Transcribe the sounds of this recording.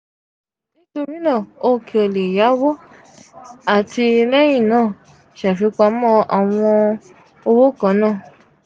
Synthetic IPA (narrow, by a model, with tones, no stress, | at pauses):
nĩ˦to˧ɾi˦nãː˦˨o˧kʰe˧˨o˨le˨ja˨˦wo˦ | a˦˨ti˧lɛ˦j̃ĩ˦˨nãː˦˨ | ʃɛ˨fi˨˧˦k͡pa˧˦mɔ̃˦˧a˨w̃ɔ̃˧ | o˧wo˦kã˨˧˦nãː˦˨